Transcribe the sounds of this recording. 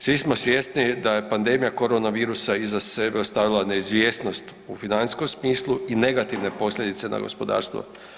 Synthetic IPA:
sʋismosʋje̞st̪nid̪aje̞pand̪e̞mijako̞ɾonaʋiːɾusaizase̞beost̪aʋilˠane̞izʋjeːsno̞st̪ | ufinaniskomsmiːslˠuine̞ɡat̪iʋne̞po̞slʎʲe̞d̪it̪se̞na̰ɡo̞̰spo̞d̪a̰ːɾst̪ʋo̰

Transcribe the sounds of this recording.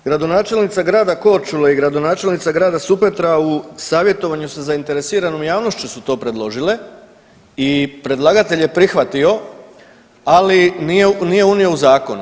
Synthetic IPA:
ɡ̥ɾad̪o̞naːt͡ʃe̞lnit̪saɡɾaːd̪ako̞t͡ʃulaiɡɾad̪o̞naːt͡ʃe̞lnit̪saɡɾaːd̪asupet̪ɾausaːʋje̞t̪o̞ʋaɲusazaint̪e̞ɾesiːɾanomjaːʋnoʃt͡ɕusut̪o̞ːpɾe̞d̪lˠo̞ʒile̞ | ipɾe̞d̪lˠaɡat̪e̞ʎje̞pɾixʋat̪io̞ | alinijenije̞unio̞uzaːko̞nu

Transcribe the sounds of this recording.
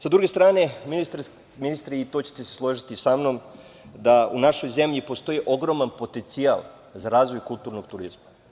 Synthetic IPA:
sad̪ɾuɡe̞st̪ɾaːne̞minist̪ɾ | minist̪ɾiit̪o̞t͡ɕe̥t̪eseslˠo̞ʒit̪isamno̞m | d̪aunaʃo̞jze̞mʎipo̞st̪o̞jiʔo̞ɡɾo̞manpo̞t̪ent̪sia̰lˠ | zaɾaːzʋo̞jkult̪uːɾno̞ɡt̪uɾizma

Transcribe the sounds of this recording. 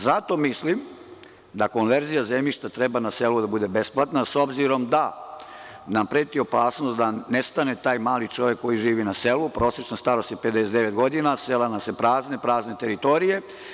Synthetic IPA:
zat̪o̞mislim | d̪ako̞nʋeɾzijazemʎiʃt̪at̪ɾebanase̞lud̪abud̪e̞be̞splat̪naso̞bziɾo̞md̪a | nampɾeːt̪io̞paːsnost̪d̪anest̪ane̞t̪aːjmaːlit͡ʃoʋje̞kːo̞jiʒiːʋinaselupɾo̞ːset͡ʃnast̪aɾost̪jeped̪esed̪eʋet̪ɡo̞d̪inaselanase̞pɾaːzne̞pɾaːzne̞t̪e̞ɾit̪o̞ɾije̞

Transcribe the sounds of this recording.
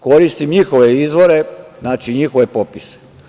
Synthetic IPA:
ko̞ɾist̪imɲixo̞ʋeizʋo̞ɾe̞znaːt͡ʃiɲixo̞ʋe̞popise̥

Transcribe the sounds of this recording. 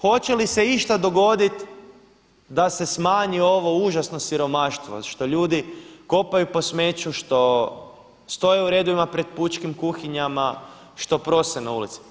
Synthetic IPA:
xo̞t͡ɕe̞lise̞iʃt̪ad̪o̞ɡo̞d̪it̪ | d̪ase̞smaːɲio̞ʋo̞uʒasno̞siɾo̞maʃt̪ʋo̞̰ʃt̪o̞ʎuːd̪iko̞pajupo̞sme̞t͡ʃuʃt̪o̞ | st̪o̞jeuɾe̞d̪oʋimapɾe̞d̪̚put͡ʃkimkuxiɲama | ʃt̪o̞pɾo̞senaulḭt̪si̥

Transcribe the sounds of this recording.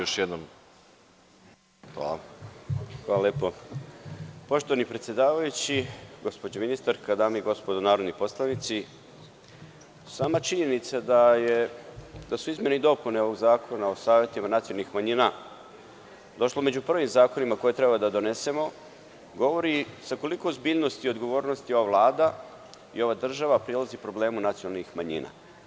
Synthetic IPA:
oʃjed̪nom | xa̰la̰ | xʋaːlˠalʲjeːpo | po̞ʃt̪oʋanipɾe̞t̪sʲje̞d̪aːʋajut͡ɕiɡo̞spo̞d͡ʑaminist̪aɾkad̪aːmaiɡo̞spod̪onaːɾo̞d̪nipo̞slˠanit̪si | saːmat͡ʃiɲe̞nit̪sad̪ajed̪asuizme̞nid̪o̞puneo̞ʋo̞ɡzaːkʰo̞nao̞saːʋje̞t̪imanat̪siolnixmaɲina | d̪o̞ʃlˠome̞d͡ʑupr̩ʋimzaːko̞nimako̞jet̪ɾe̞bad̪ad̪o̞ne̞se̞mo̞ | ɡo̞ʋo̞ɾisako̞likozbiʎno̞st̪io̞d̪ɡo̞ʋo̞ːɾno̞st̪io̞ʋaʋlˠaːd̪a | ḭo̞ʋaːd̪r̩ʒaʋapɾelˠazipɾo̞ble̞ːmunat̪sionalnixmaɲḭːna̰

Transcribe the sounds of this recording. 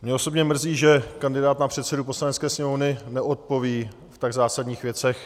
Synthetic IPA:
mɲɛo̞so̞bɲɛmr̩ziːʒɛkandɪdaːt̪napr̥ɛt̪sɛdupo̞slanɛtt͡skɛːsɲɛmovnɪnɛʔo̞t̪̚po̞viː | ft̪aɡzaːsadɲiːxvjɛt͡sɛx

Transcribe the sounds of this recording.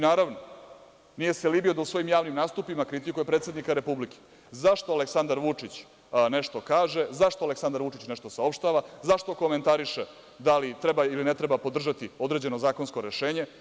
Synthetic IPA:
naːɾaʋno | nije̞selibio̞d̪ausʋo̞jimjaːʋnimnaːst̪upimakɾit̪ikuje̞pɾet̪sed̪nikaɾe̞publike̥ | zaʂt̪o̞aleksand̪aɾʋut͡ʂit͡ɕ | ne̞ʂt̪o̞kaːʒezaʃt̪oaleksand̪aɾʋut͡ʂit͡ɕneʂt̪o̞sao̞pʃt̪aʋazaʂt̪o̞koment̪aɾiʃe | d̪alit̪ɾebailinet̪ɾebapo̞d̪r̩ʒat̪io̞d̪ɾeːd͡ʑe̞no̞zaːkonsko̞ɾeʃe̞ːɲe̞

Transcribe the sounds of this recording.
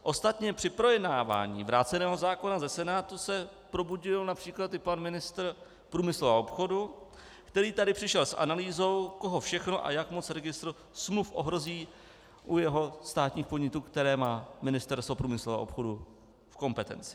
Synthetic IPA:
ʔo̞st̪at̪ɲɛpr̝̥ɪpɾo̞jɛdnaːva̰ːɲḭːvɾaːt͡sɛnɛːɦo̞zaːko̞nazɛsɛnaːt̪usɛpɾo̞buɟɪlnapr̝̥iːklat̪ɪpanmɪnɪst̪r | pɾuːmɪslua̰ʔopxo̞du | kt̪ɛɾiːt̪adɪpr̥ɪʃɛlsʔa̰naliːzo̞wko̞ɦofʃɛxno̞ʔa̰jakmo̞t͡sɾɛɡɪst̪ɾo | smlufʔo̞ɦɾo̞ziː | ʔujɛɦo̞st̪aːt̪ɲiːxpodɲɪt̪uːkt̪ɛɾɛːmaːmɪnɪst̪ɛɾst̪vo̞pɾuːmɪslovɛa̰ʔopxo̞du | fko̞mpɛt̪ɛ̰nt͡sɪ̥

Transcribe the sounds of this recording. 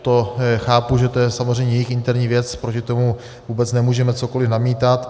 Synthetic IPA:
t̪oxaːpuʒɛt̪o̞jɛsamozr̝ɛjɲɛjɛjɪxʔɪnt̪ɛɾɲiːvjɛt͡spɾocɪt̪o̞mu | vuːbɛt͡snɛmuːʒɛmɛt͡so̞ko̞lɪfnamiːt̪at̪

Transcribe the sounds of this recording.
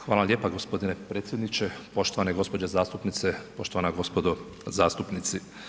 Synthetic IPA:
xʋaːlˠalʲje̞ːpaɡospo̞d̪inepɾeːt̪sjed̪nit͡ʃepo̞ʃt̪oʋaneɡo̞spo̞d͡ʑezaːst̪upnit̪sepo̞ʃt̪oʋanaɡo̞spod̪o | zaːst̪upnit̪si

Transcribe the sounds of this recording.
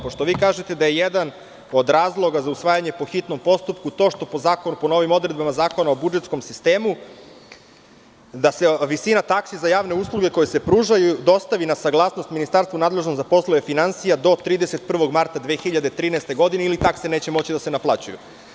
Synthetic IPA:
poʃt̪o̞ʋiːkaːʒe̞t̪e̞d̪aje̞jed̪an | o̞d̪ɾaːzlˠo̞ɡazausʋaːjaɲe̞po̞xit̪no̞mpo̞st̪upkut̪o̞ːʃt̪o̞po̞zaːkonupo̞no̞ʋimo̞d̪ɾe̞d̪̚bamazaːko̞nao̞bud͡ʒet̪sko̞msist̪e̞ːmu | d̪aseʋisinat̪aksizajaːʋne̞uːslˠuɡe̞ko̞jese̞pɾuːʒajud̪o̞st̪aʋinasaɡlˠaːsno̞st̪minist̪aɾst̪vunaːd̪le̞ʒnot̪zapo̞slˠojefinansijad̪o̞t̪ɾiːd̪eset̪̚pr̩ʋo̞ɡmaɾt̪ad̪ʋexiʎad̪et̪ɾiːnɛst̪e̞ɡo̞d̪ineilit̪aksene̞ːt͡ɕemo̞t͡ɕid̪ase̞naplˠat͡ɕujṵ

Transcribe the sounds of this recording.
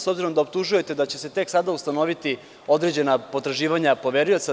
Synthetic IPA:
sobziɾo̞md̪aop̚t̪uʒuje̞t̪e̞d̪at͡ɕe̞set̪eksad̪aust̪ano̞ʋit̪i | o̞d̪ɾe̞d͡ʑe̞napo̞t̪ɾaʒiːʋaɲapo̞ʋeɾujo̞t̪sa

